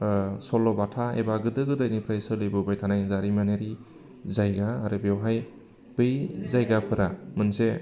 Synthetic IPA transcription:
sɔlɔbatʰaḛbaɡɯdɯɡɯdajnipʰɾajsɯlɯjbɯbajtʰanajzaɾimaneɾi | zajɡaːɾɯbewɦaj | b̥ɯjzajɡapʰɯɾamɯnse

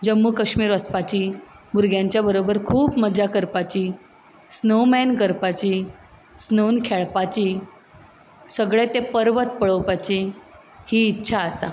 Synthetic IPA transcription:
d͡ʑəmːukəɕmiːɾəspat͡ɕiː | buɾɡʱjãɲt͡ɕjabəɾobəɾkʰuːpməd͡ʑakəɾpat͡ɕiː | snowmɛnkəɾpat͡ɕiː | snownkʰɛɭpat͡ɕiː | səɡɭet̪epəɾʋət̪̚pəɭəwpat͡ɕi | hiːtːɕʰaəsa̰

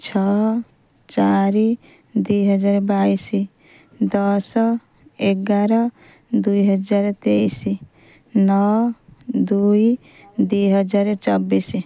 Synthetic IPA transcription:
t͡ʃʰɔ | t͡ʃaɾi | d̪uɦʌd͡ʒaɾbajsi | d̪ʌs | eɡaɾʌ | d̪ujɦʌd͡ʒaɾt̪eisi | nɔwd̪uj | d̪ujɦʌd͡ʒaɾt͡ʃʌbːisi

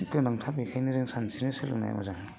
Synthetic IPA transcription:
kɯnaŋtʰapikʰajniɾeŋsansʰinisɯlɯ̰na̰j̰ba̰zaŋ

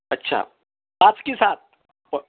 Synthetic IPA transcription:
ɐtːʃʰa̰ | paːt͡ʃkesaːt̪̚ | p

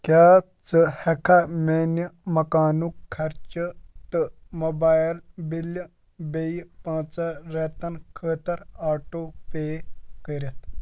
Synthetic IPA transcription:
kjaː | t͡sɨhekʰamenəmɐkaːnukʰːɐɾt͡ʃət̪ɨmobaːlbil | bejpãːt͡saɾeːt̪ɐnkʰəːt̪ɐɾaːʈoːpeːkəɾʲɐt̪

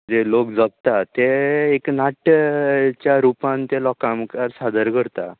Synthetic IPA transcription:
d͡ʑelokd͡zəɡ̚t̪at̪eeknaʈ | t͡ɕjaɾupãnt̪elɔkamkaɾsad̪ʱəɾkəɾt̪a̰

